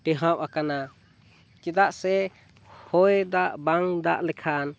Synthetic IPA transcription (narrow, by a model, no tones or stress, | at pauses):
ʈɛɦãwakana | t͡ʃɛd̪aʔsɛ | hɔjd̪aʔbaŋd̪a̰ʔlɛkʰan